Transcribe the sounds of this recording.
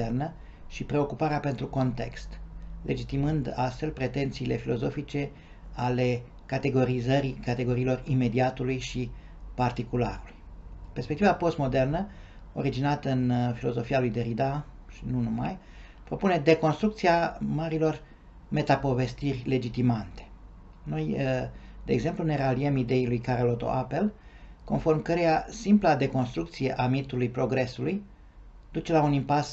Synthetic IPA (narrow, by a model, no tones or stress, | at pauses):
ernə | ʃipɾe̞o̞kupaɾeape̞nt̪ɾuko̞nt̪e̞̰kst̪le̞̰d͡ʒit̪imɨnd̪ast̪fe̞lpɾe̞t̪e̞nt̪siːle̞filo̞zo̞fit͡ʃe̞ | ale̞ | kat̪e̞ɡo̞ɾizəɾikat̪eɡo̞ɾiːlo̞rime̞d̪iat̪ulujʃi | part̪ikula̰ɾulujpe̞rspekt̪ivapo̞st̪mo̞d̪e̞rnə | o̞ɾid͡ʒinat̪əɨnfilo̞zo̞fialujd̪eɾid̪aʃinunuma̰j | pɾo̞pune̞d̪e̞ko̞nst̪ɾukt̪siamaɾilo̞r | me̞t̪apo̞ve̞st̪irʲle̞d͡ʒit̪imant̪e̥ | no̞j | d̪̥e̞ːɡze̞mplune̞ɾaliemid̪e̞ilujkaɾelo̞t̪o̞̰ʔape̞l | ko̞nfo̞rmkəɾe̞jasimplad̪e̞ko̞nst̪ɾukt̪sije̞ʔamit̪ulujpɾo̞ɡɾe̞suluj | d̪̥ut͡ʃe̞launimpas